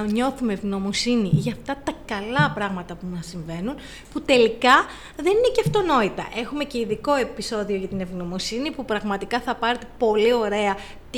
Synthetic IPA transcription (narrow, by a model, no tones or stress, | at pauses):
ɲo̞θumevno̞mosiniʝɐft̪ɐt̪ɐkɐlɐpɾɐɣmɐt̪ɐpumɐsiɱve̞nun | put̪e̞likɐ | ðe̞nineceft̪o̞no̞it̪ɐ̰ʔe̞xume̞ce̞iðiko̞e̞piso̞ðio̞ʝɐt̪ine̞vɣno̞mosinipupɾɐɣmɐt̪ikɐθɐpɐɾet̪e̞po̞lio̞ɾe̞ɐ | t̪